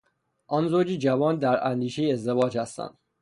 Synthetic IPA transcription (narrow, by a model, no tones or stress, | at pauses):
ʔɒːnzoːd͡ʒid͡ʒævɒːnd̪æɾænd̪iːʃejiezd̪evɒːd͡ʒhæst̪æ̰nd̪̥